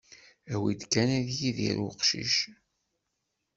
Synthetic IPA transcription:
æwid̪kːænæðjiðḭɾʊqʃḭʃ

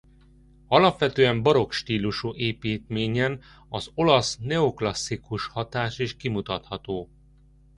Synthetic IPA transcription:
ɒlɒpʋɛt̪øːɛmbɒɾo̞kʃt̪iːluʃuʔeːpiːt̪meːɲɛn | ɒzo̞lɒsnɛo̞klɒsːikuʃhɒt̪aːʃeːʃkimut̪ɒt̪hɒt̪oː

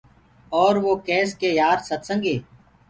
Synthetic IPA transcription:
ɔːɾʋoːkɛːskeːjaːɾsət̪sə̃ŋɡeː

